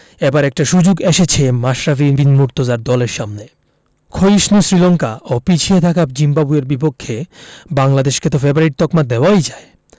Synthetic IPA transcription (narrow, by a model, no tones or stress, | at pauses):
ɛbaɾɛk̚ʈaʃud͡ʑoɡeʃet͡ɕʰemaʃɾafibinmuɾt̪ozaɾd̪ɔleɾʃamne | kʰojiʃnusɾilɔŋkaʔopit͡ɕʰiet̪ʰakapd͡ʑimbabueɾbipokʰːebaŋlad̪eʃket̪ofebɾaɾiʈ̚t̪ɔkmad̪eoaojd͡ʑae